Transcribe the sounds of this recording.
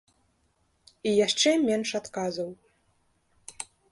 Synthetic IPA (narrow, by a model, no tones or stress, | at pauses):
ijaʂt͡ʂɛmʲɛnʂat̪kazɐw